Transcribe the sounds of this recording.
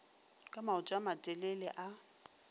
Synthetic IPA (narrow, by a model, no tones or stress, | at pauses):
kʼamaʊt͡ʃʼamatʼɛlɛlɛʔa